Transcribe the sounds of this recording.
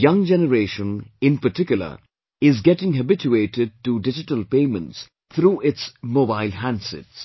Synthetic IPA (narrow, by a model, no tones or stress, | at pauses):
jʌ̃ŋd͡ʒɛnəɾeːʃə̃nɪ̃npəʈɪkjʊl̩ə̰ | ɪzɡɛʈɪ̃ŋɦəbɪt͡ʃueːʈɪɖ̚ʈuɖɪd͡ʒɪʈəlpẽːmə̃nts | t̪ʰɾuːʔɪtsmoːbaɪlɦæ̃ndsɪ̰ts